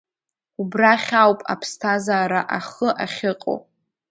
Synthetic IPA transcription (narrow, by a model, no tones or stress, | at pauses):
ubraχʲawpʼa̰pʰstʰazaːɾaʔaχəʔaχʲɪqʼo̰w